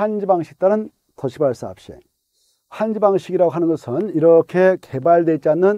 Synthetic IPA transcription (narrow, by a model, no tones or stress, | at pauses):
hand͡ʑibaŋɕʰi̥k̚t͈anɯn | tʌɕʰibaɭs͈aa̰p̚ɕ͈ḭ | hand͡ʑibaŋɕʰiɡiɾaɡoɦanɯnɡʌsʰɯniɾʌkʰe̞ke̞baɭdwet͡ɕianːɯn